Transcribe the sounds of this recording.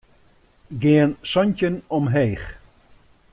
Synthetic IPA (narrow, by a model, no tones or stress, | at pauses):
ɡɪənsɔɲcənɔmɦeːx